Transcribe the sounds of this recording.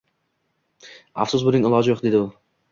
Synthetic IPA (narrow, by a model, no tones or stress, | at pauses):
a̰fsʊzbʊnɪŋɪlˠɒd͡ʒɪjoqd̪e̞d̪ɪʊ